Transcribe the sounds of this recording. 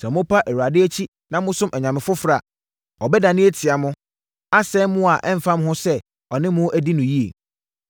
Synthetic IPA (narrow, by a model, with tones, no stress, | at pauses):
sɛ˨mʊ̃˦pʰa˦ʔɛ˨wu˨ɾa˨dɪ˦æ˦t͡ɕʰi˦ | nã˦mʊ̃˦sʊ̃˦mʔɛ˨ɲã˨mɪ̃˨fʊ˦fɾa˨ | ɔ˨bɛ˦da˨nɪ̃˦e˦tʰɪ˨a˨mʊ̃˦ | a˦sɛ˦mʊ̃˦a˨ʔɛ˦m̩˨fã˦m˦hʊ̃˦sɛ˦ | ɔ˨nɪ̃˦mʊ̃˦ʔæ˦di˦nʊ̃˨ji˦ḛ˨